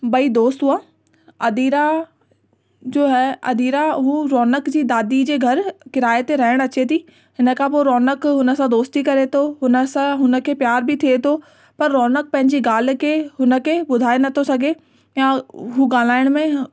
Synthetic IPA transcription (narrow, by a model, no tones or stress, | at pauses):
bɐid̪oːst̪ɦuaː | ɐd̪iːɾa | d͡ʑoːɦɛɐ̰d̪iːɾaɦuɾɔːnəkd͡ʑiːd̪aːd̪id͡ʑeːɡʱɐɾkɪɾaːjet̪eɾɐɦɪɽ̃ɐt͡ɕet̪ʰiː | ɦɪnə̆kʰãpoːɾɔːnəkɦʊnə̆sãd̪oːst̪ikɐɾet̪ʰoɦʊnəsãɦʊnə̆kʰepjaːɾbʱɪt̪ʰiet̪ʰo | pɐɾːɔːnək̚pɐ̃ɦɪ̃ɲd͡ʑiɡaːl̤̆kʰeɦʊnə̆kʰebʊd̪ʱaːenɐt̪ʰosɐɡʱe | jãɦuɡaːl̤aːɪɽ̃mẽ